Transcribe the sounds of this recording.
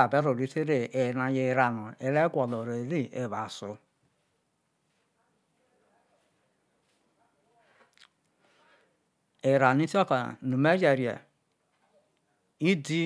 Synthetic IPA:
a˨be˦ɾo˨ɾi˨˦te˦ɾe˨e˨na˨je˨ɾa˨nu˨e˨le˦ɡʷɔ˨lo˨ɾe˨ɾi˦e˨βa˨so˨ | e˨ɾa˨n˦i˦ti˦o˦ka̰˨nu˨me˦d͡ʒe˨ɾi˨a̰˨ | i˦di˦

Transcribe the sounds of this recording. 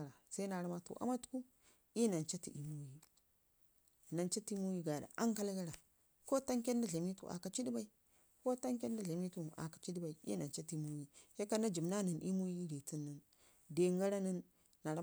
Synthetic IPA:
ɾa˨se˦na˨ɾa˦ma˨tṵ˨ʔa̰˦ma˦tku˦ | i˦na˨nt͡ʃa˦tḭ˨i˨mu˦ji˦˨ | na˨nt͡ʃa˦ti˦mu˦ji˦ɡa˨da̰˨ʔa˦ŋka˦lɡa˦ɾa˨ | ko˦ta˦ŋke˦nda˦ɮe˨m˦i˦tṵ˨ʔa̰˨ka˨t͡ʃi˦di˦ba˦i˦ | ko˦ta˦ŋke˦nda˦ɮe˨m˦i˦tu˨ʔa̰˨kḁ˨t͡ʃi˦di˦ba˨i˨ḭ˦na˨nt͡ʃa˦ti˦mu˦ji˦he˦ka˦na˦d͡ʒi˨mna˦ni˨nʔi˦mu˦ji˦ɾi˨ti˦nːa˨n | de˨ŋɡa˦ɾa˦ni˦nː | a˨ɾa˦

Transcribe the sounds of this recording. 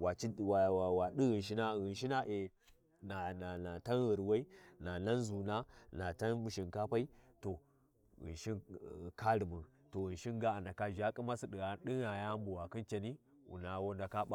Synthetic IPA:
wa˨t͡ʃi˦wa˨a˨wa˨ɗi˦ɣi˨n˨ʃ̬i˦na˦ɣɨ˨nʃi˦na˦ʔe˨ | na˨na˨na˨ta˦nɣə˨ɾwa˦i˦na˨na˦n˦zu˨na˦na˨ta˦nmu˨ʃi˨nka˦pa˦i˦to˨ | ɣɨ̰˨nʃi˦n˨ka˦ɾi˨mə˨ | to˨ɣɨ˨nʃi˦nɡa˦a˨nda˨ka˦ʒa˦kʼi˦ma˦si˦ɗi˨ɣa˨˦n˦ɗi˦ɣa˨ja˦mbu˨wa˨kɨ˦nt͡ʃe˨ni˦ | wṵ˨na˨wo˦nda˨ka˦ɓa˦

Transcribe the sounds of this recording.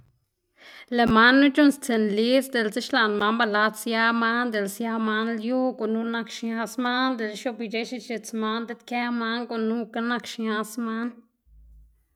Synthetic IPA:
le˨ma˦nːũ˦t͡ʃu˦nst͡se˨nli˦sd̪e˧˨lt͡si˦ʃla˨nma˧˦mba˧la˧˦d̪sja˦ma˦nd̪e˨lsja˧ma˧nlju˦ko˨nu˦na˧kʃɲa˧sma˦nd̪e˧˨lʃo˧bi˧˨d͡ʒe˧˦ʃi˧t͡ʃe˧t͡sma˧˦nd̪e˧t̪ka˦ma˧ŋko˨ʔnũ˦ka˦na˧kʃɲã˧sma˦n

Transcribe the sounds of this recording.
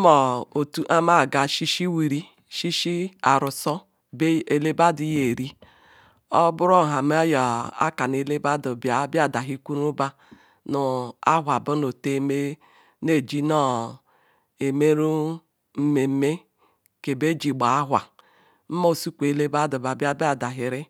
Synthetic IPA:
mɔ˨o˨tu˦ʔa˦ma˦˨ɡa˨ʃi˦ʃi˦wi˨ɾi˦ | ʃi˦ʃi˦a˨ɾu˨sɔ˦ | e˨le˦ba˦di˨je˨ɾi˦ | ɔ˦bu˦ɾɔ˦˨ɦa˨m˦ja˨a̰˦ka˨n˨e˨le˦ba˦du˨bja˦ba˨da˨ɦi˦kʷu˦ɾu˦ba˦ | nu˨a˦ɦʷa˨bo˦no˨te˦˨me˦ | ne˦˨d͡ʒi˦nɔ˦ | e˨me˦ɾu˦ | m̩˦me˨˦me˦ | ke˨be˦d͡ʒi˨ɡ͡ba˨a˦ɦʷa˨ | m̩˦mo˦˨su˦kʷe˨le˦ba˦du˨ba˨bja˦ba˦˨da˨ɦi˨ɾi˦

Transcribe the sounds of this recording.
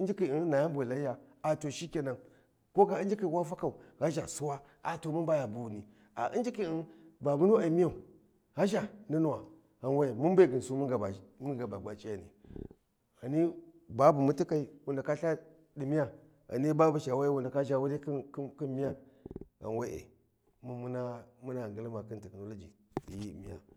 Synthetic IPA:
i˦nd͡ʒi˦ki˨i˦n˦na˨ja˦mbʷe˨la˨˦ja˨a˨to˨ʃi˦kʲe˨na˨ŋ | ko˦ka˨i˦n˦d͡ʒi˦ki˨wa˦fa˦ka˨u˨ɣa˦ʒa̰˨su˦wa˦ | a˨to˨mu˦nba˦ja˨bu˨wu˨ni˨ | a̰˨ʔi˦nd͡ʒi˦ki˦˨i˦˨nba˨mu˦nu˦a˨˦mi˦ja˦˨u˨ | ɣa˦ʒa˨ni˦nu˦wa˨ | ɣa˨nwe˦˨mu˦n˦be˦˨ɡi˨n˨su˦mu˦ɡa˨a˨mu˦ɡa˨ba˨ɡʷa˨t͡ʃi˦a̰˨nḭ˨ | a˨ni˦ | ba˦bu˨mu˦ti˦ka˦i˦wu˨nda˨ka˦ɬa˦ | di˨mi˦ja˦ | a̰˨ni˦ba˦bu˨ʃa˨wa˦i˦wu˨nda˨ka˦ʒa˦wu˦ɾi˦kki˦mi˦ja˦ɣa̰˨nwe˦ʔḛ˨ | mu˦mu˦na˦mu˦na˨ɡə˨lma˨ki˦nti˨kno˨˦lo˦d͡ʒḭ˨ | di˨ji˦˨mḭ˦ja̰˨

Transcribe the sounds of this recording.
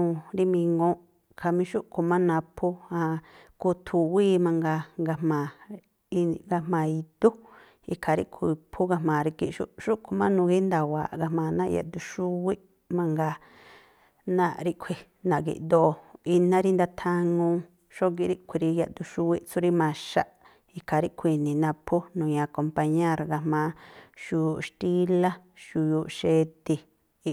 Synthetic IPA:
nũ˨ɾi˦mĩ˧ŋɡõ˦ | kʰa˨mĩ˧ʃu˦ʔkʰo˨mã˦nã˧pʰu˦ã˧ku˧t̪ʰu˨wi˦mã˧ŋɡa˧ŋɡa˧mmã˨ | i˧ɡa˧mã˨i˧d̪u˦ | ḭ˧kʰa˨ɾḭ˦ʔkʷʰi˧˨˧pʰu˦ɣa˧mãː˨ɾi˧ki˧ʔʃṵ˦ʃu˦ʔkʰo˧mã˦nũ˧ɡi˦nd̪a˨wa̰˨ʔɡa˧mãː˨nã˦˧ja̰˧˨d̪u˧ʃu˦wi˦ʔ | mã˧ŋɡa˧ | nã˧ʔɾi˦ʔkʷʰi˧ | nã˨ɡḭ˨ʔd̪o˧i˧nã˦ɾi˦nd̪a˧t̪ʰa˧ŋũ˧ | ʃo˦ɡi˧ɾi˦ʔkʰʷi˧ɾi˧ja˧ʔd̪u˧ʃu˧wi˦ʔt͡su˦ɾi˦mã˧ʃa̰˦ʔ | i˧kʰa˨ɾi˦ʔkʰʷi˧nĩ˨nã˧pʰu˦nũ˨ɲã˧ko˧mpa˧ɲẽ˦˨ɾɡa˧mã˨˧˦ʃu˧ju˧˨ʃt̪i˦la˦ʃu˧ju˧ʔʃe˧t̪i˧

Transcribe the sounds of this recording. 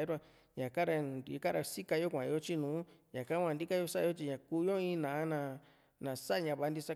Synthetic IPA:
ɾu˦a˧ | ɲã˨ka˦ɾa˧ka˦˧ɾa˧si˦ka˧jo˦kʷã˨˧jo˦t͡ʃi˦nũː˨˦ɲã˨ka˦kʷã˧˨nd̪i˦ka˦jo˧sa˦˧o˦t͡ʃi˧ɲã˨kuː˧jo˦ĩ˦nã˨a˦nã˧ | nã˨sa˦ʔɲã˧˨βa˧˦nd̪i˧sa˦

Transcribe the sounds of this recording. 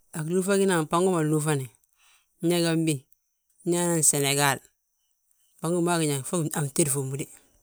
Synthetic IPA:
a˨klu˦fa˦ki˦na˨ŋpa˦ŋɡu˦ma˨lu˦fa˦ni˨˦ | ɲa˦ɡa˦mbi˦˨˦ | ɲa˦na˦n˨se˨ne˨ɡa˦˨l | pa˦ŋɡu˦ma˦ki˨ɲa˨ŋfo˦a˨m˨te˦ɾfo˨mu˨˦di˦

